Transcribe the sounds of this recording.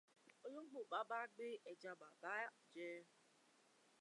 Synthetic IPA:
o˦ɲo˦ŋ͡m̩˦ɡ͡bʊ˨k͡pa˨˦ba˦ɡ͡bɪ˦e˨d͡ʒa˦ba˨ba˦˨d͡ʒe˦˨

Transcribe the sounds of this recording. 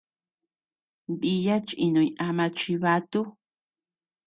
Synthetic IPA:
bi˧ja˦t͡ʃi˧nõ˨ĩ˧ʔa˧mã˧t͡ʃi˧βa˧t̪u˦

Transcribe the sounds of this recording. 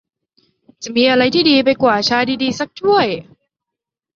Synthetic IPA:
t͡ɕa˨˩miː˧ʔa˧ɾa˧jt̪ʰiː˥˩diː˧pa˧jkwaː˨˩t͡ɕʰaː˧jdiː˧diː˧sa˦˥k̚t͡ɕʰu˥˩əj

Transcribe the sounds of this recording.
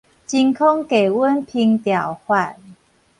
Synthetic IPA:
t͡ɕi˧ŋkʰɔ˦ŋke˨˩wə˦npʰi˧ŋt̪ja˨˩whwa˥˧˨n

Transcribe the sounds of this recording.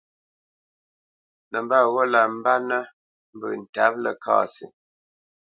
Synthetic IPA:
nə˨mba˦˨ɣɔ˦la˨m̩˦ba˦nə˦ | m̩˦bə˨n̩˨ta˦p̚lə˨ka̰ː˦˨sḭ˨

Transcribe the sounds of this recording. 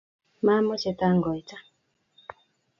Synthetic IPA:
ma˦mɔ˦t͡ʃɛ˨ta˦ŋɡɔ˨jta˦

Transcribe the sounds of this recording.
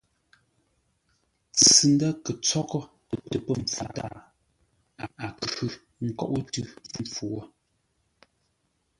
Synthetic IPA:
t͡sɨ˨n˦da˦kə˨t͡sɔ˦kɔ˦ | pə˨tə˨pə˦m̩˨fu˨ta̰ː˦˨ | a˨a˨kʉ˦ | ŋ̩˦˨kɔ̰˦ʔu˦tʉ˦m̩˨p͡fu˨ɔ˦

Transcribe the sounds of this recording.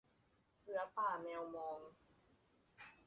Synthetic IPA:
sɨ˧a˧paː˥˩˨mɛ̃˧wmɔ˧ŋ

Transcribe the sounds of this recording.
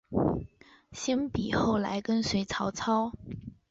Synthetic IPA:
ɕjɛ˥npi˨˩xo˥˩ʊla̰˧˥ɪkə˥nswe˧˥ɪt͡sʰɑ˧˥ʊt͡sʰɑ˥ʊ

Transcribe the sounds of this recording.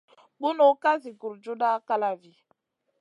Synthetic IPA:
ɓu˦no˦ka˦zi˨ɡu˨ɾd͡ʒu˦da˦ka˦la˨vi˨

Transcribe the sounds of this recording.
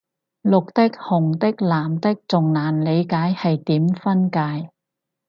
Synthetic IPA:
lʊ˨k̚t̪ɪ˥k̚hʊ˨˩ŋt̪ɪ˥k̚laː˨˩mt̪ɪ˥k̚t͡sʊ˨ŋnaː˨˩nle˨˧jkaː˨˥jhɐ˨jt̪iː˨˥mfɐ˥nkaː˨˧j

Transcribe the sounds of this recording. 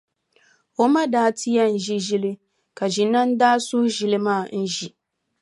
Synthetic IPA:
o˦ma˦daː˦tʰi˦ja˦n̩˨ʒi˦ʒi˦li˦ | ka˨ʒi˨na˦n˦daː˦sʊ˦ʒi˦lɨ˦maː˦˨n̩˦ʒi˨

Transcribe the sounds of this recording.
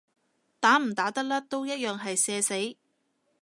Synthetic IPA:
t̪aː˨˥m̩˨˩t̪aː˨˥t̪ɐ˥k̚laː˥t̪o˥wjɐ˥t̚jœː˨ŋɦɐ˨jsɛː˧se˨˥j

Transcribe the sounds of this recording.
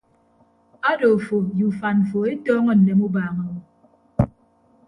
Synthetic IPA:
a˦do˨fo˨ju˨fa˨n̩˨fo˨e˦tɔː˦ŋɔ˦n̩ː˨e˨mu˦baː˨ŋa˨wɔ˨

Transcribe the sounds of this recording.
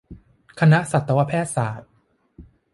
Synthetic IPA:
kʰa˧na˦˥sa˨˩t̪ːa˧wa˧˥pʰɛː˥˩t̪̚saː˩˦t̪̚

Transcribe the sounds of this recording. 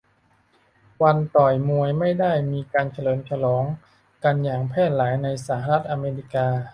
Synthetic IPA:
wa˧nt̪ɔː˨˩jmu˧əjma˥˩jda˥˩jmiː˧kaː˧nt͡ɕʰa˧lɤː˩˦mt͡ɕʰa˧lɔː˩˦ŋ | ka˧njaː˨˩ŋpʰɛː˥˩t̪̚laː˩˦jna˧jsaː˩˦ha˧ɾa˦˥t̪̚ʔaː˧meː˧ɾi˦˥kaː˧

